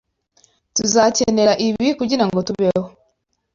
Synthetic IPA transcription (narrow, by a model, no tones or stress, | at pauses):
tuzaːcene̞ɾaʔiβikuɟiɾaŋɡo̞tuβeho